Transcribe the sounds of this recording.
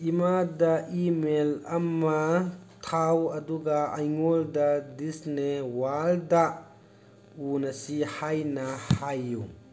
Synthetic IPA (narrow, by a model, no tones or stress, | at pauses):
imadɐʔimelɐmːɐtʰawɐduɡaajŋoldɐdisnewalda | unɐsihajnɐhajːu